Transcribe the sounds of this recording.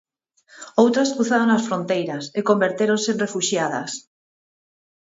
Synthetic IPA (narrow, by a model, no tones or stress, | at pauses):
owt̪ɾaskɾuθaðoŋnasfɾont̪ejɾaseko̞mbe̞ɾt̪eɾonsenrefuʃjaða̰s